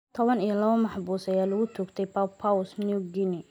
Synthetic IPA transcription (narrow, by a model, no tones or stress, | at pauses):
t̪ʰɔβɐnijɔlɐβɐmɑħbuːsɐjaːlʊɣʊt̪ʰʊkt̪ʰɛjpʰapʰawʊsniʊɡɪnɪ